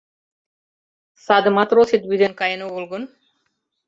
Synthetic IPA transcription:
sad̪mat̪ɾosit̪bid̪enkajenoɡolɡun

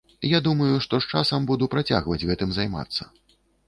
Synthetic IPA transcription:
jad̪umɐjuʂt̪ɔʂt͡ʂasɐmbud̪upɾat͡sʲa̰ɣvɐd͡zʲɣɛt̪ɨmzajma̰t̪sːɐ̥

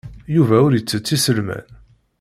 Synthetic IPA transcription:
juvæʊɾjət͡sːət͡sːisəlmæ̰n

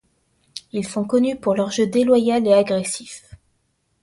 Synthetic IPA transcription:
ilsɔ̃kɔnypuʁlɔʁʒəd̪elwajaleaɡʁesif

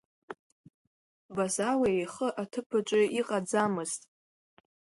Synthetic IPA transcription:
bazaweejχəʔatʰɨpʰɨʈ͡ʂʷʼɪiqʼad͡zamɨztʼ

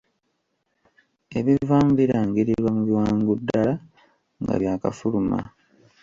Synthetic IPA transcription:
e̞βivaːmbiɾaŋɡiɾiɾwamuβiwaːŋɡudːala | ŋɡa̰βjaːkafuluma̰

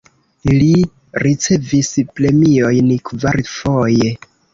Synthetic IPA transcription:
li | ɾit͡se̞visple̞mio̞jnkvaɾfo̞je̞

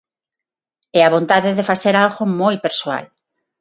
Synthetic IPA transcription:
ɛaβ̞õnt̪aðeðefaθeɾalɣomojpeɾsoa̰l

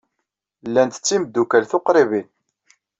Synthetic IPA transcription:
lːænt̪ə̥t͡sːiməd̪ːukælθoqɾˤiβin

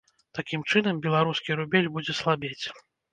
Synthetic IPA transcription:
t̪akʲimt͡ʂɨnɐmbʲɛlˠaɾuskʲiɾubʲelʲbud͡zʲɛslˠabʲet͡sʲ

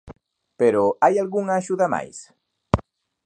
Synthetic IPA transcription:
peɾoajalɣuŋaːʒuðama̰js

